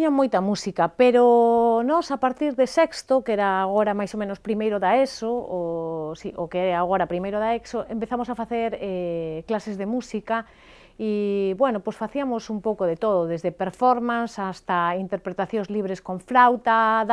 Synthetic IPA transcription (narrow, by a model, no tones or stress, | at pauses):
t̪ɲamːojt̪ɐmusikɐpeɾonɔsapaɾt̪iɾðesɛkst̪okɛɾaːɣoɾamajsomẽnospɾimejɾʊðaesoosiʔokeɛɾaɣoɾɐpɾimejɾʊðaeksoempeθamosafaθeɾɛklasezðemusikɐ | iβwɛnʊposfaθiɐmosumpowkoðet̪oðoðezðepeɾfɔɾmãnsast̪aint̪eɾpɾet̪aθjõŋzliβɾeskoɱflawt̪að